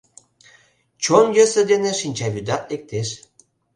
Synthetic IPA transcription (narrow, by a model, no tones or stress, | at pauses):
t͡ɕonjøsə̆d̪enĕʃinʲt͡ɕɑβyd̪ɑt̪ek̚t̪eʃ